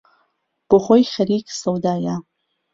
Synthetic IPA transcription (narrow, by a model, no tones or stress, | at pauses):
b̥oχojxɐɾiksɐwd̪aːja